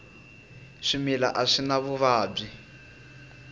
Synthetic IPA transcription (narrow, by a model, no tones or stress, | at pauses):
ʂimila̰ʔaʂinaβuβaːb͡ʐi